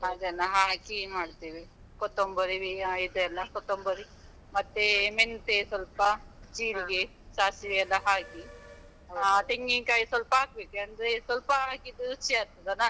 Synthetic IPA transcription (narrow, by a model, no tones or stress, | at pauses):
ɦaːd̪enːɐɦaːkimaːɽt̪iːʋi | kot̪ːombɐɾiʋiaid̪eɐlːɐkɔt̪ːombɐɾi | mɐt̪ːement̪esʋɐlpɐt͡ʃiːliɡe | saːsiʋeɐlːɐɦaːki | aːt̪eŋɡiŋkaːjisʋɐlpɐaːk̚beːkeɐnd̪ɐɾesʋɐlpɐɦaːkid̪uɾut͡ʃːiaːɾt̪ɐd̪ɐnaː